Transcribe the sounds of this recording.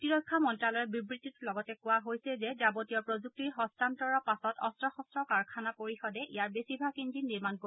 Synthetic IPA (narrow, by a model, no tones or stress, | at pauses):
tiɹɔjkʰːamɔntɹalɔjɔbibɹitːitlɔɡɔtɛkʊwaɦojsɛzɛzabotijɔpɹozuk̚tiɹɦɔstantɔɹɔpasɔtɔ̰stɹɔxɔstɹɔkaɹkʰanapoɹixɔdɛʔejaɹbesibʱakindinːiɹmanko